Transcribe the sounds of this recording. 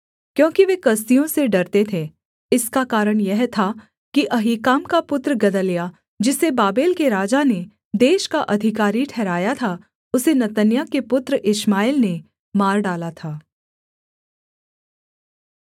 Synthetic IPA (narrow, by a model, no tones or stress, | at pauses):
kjõːkiʋeːkɐs̬t̪ijõseɖɐɾt̪et̪ʰe | ɪskakaːɾəɽ̃jɛɦt̪ʰa | kiʔɐɦiːkaːmkapʊt̪ɾəɡɐd̪əlja | d͡ʒɪsebaːbeːlkeɾaːd͡ʒane | d̪eːʃkaʔɐd̪ʱɪkaːɾiʈʰɛːɾaːjat̪ʰa | ʊsenɐt̪ənjakepʊt̪ɾəʔɪʃmaːilne | maːɾɖaːlat̪ʰaː